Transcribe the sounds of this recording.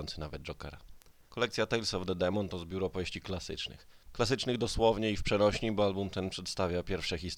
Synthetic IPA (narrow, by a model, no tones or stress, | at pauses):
ɔnt̪sɘnavɛd̪̚d͡ʐɔkɛ̰ɾa̰ | kɔlɛkt̪sʲjat̪ɛjlsɔvd̪ɛd̪ɛmɔnt̪ɔzbʲjuɾɔpɔvjeɕt͡ɕiklasɘ̰t͡ʂnɘ̰x | klas̬ɘt͡ʂnɘɣd̪ɔswɔvɲɛifpʂɛnɔɕɲibɔalbumt̪ɛnpʂɛt̪st̪avʲjapʲjɛɾfʂɛxʲist̪